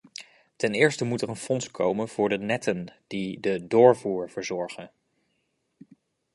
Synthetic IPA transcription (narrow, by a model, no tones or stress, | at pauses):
tɛnɪːɹstəmutɛrənfɔnskʰowmənv̥ʊːɹdənɛtʰənd̥idədʊːɹvuːɹv̥əɹzɔɹχən